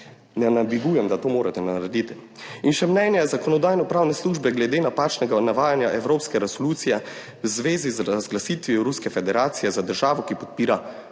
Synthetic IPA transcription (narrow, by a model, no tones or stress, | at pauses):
nɛnabiɡujɛmd̪at̪oːmoːɾat̪ɛnaɾɛd̪it̪i | inʃɛmnɛːnjɛzakɔnɔd̪aːjnɔpɾaːwnɛsluːʒbɛɡlɛd̪eːnapaːt͡ʃnɛɡanaʋaːjanjaʔɛwɾoːpskɛɾɛsɔluːt̪sijɛ | wzʋeːzizɾazɡlasiːt̪ʋiɔɾuskɛfɛd̪ɛɾaːt̪sijɛzad̪əɾʒaːʋɔkipɔ̥t̪̚piːɾa